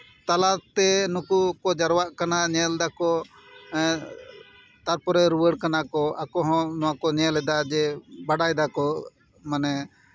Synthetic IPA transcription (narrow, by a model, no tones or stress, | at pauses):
t̪alat̪ɛnukukɔd͡ʒaɾwaʔkanaɲɛld̪akɔ | t̪aɾpɔɾɛɾuwəɽkanakɔʔakɔɦɔ̃nɔwakɔɲɛlɛd̪ad͡ʒɛbaɽajd̪akɔ | manɛ